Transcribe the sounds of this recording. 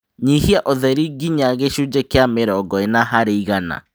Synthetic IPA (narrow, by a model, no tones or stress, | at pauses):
ɲihiaʔoðɛɾiɡiɲaɣeʃud͡ʒekeameɾɔɡɔenaɦaɾeiɣana̰